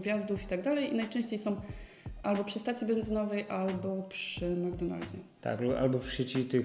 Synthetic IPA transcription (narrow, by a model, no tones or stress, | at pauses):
ɡvʲjazd̪ufit̪aɡd̪alɛjinajt͡ʂɛ̃ɕt͡ɕejsɔ̃w̃ | ʔalbɔpʂɨst̪at̪sʲjibɛnzɘnɔvɛjʔalbɔpʂɘmaɡd̪ɔna̰ld͡ʑɛ̰t̪a̰kʔa̰lbɔɕet͡ɕit̪ɘ